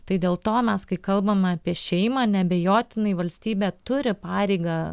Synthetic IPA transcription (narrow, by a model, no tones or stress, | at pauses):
t̪ɐɪd̪ʲeːlˠt̪oːmʲɛskɐɪkɐlˠbɐmɐːpʲiɛʃʲɛɪmɑːnʲɛbʲɛjoːt̪ʲɪnɐɪʋɐlʲsʲt̪ʲiːbʲeːt̪ʊɾʲɪpɑːɾʲɛɪɡɑː